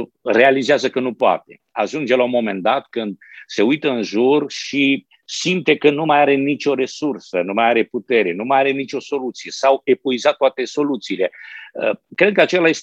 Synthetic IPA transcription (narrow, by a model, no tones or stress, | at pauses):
re̞alizeazəkənupoa̰t̪e̞ | a̰ʒund͡ʒelaumo̞me̞nd̪at̪kɨnd̪̚se̞ujt̪əɨnʒurʃi | simt̪e̞kənumajaɾe̞nit͡ʃʲo̞ɾe̞sursənumajaɾe̞put̪e̞ɾe̞numajaɾe̞nit͡ʃo̞so̞lut̪sije̞sawe̞poizat̪ːoat̪e̞so̞lut̪siːle̞əkɾe̞d̪̚kəat͡ʃe̞laje̞s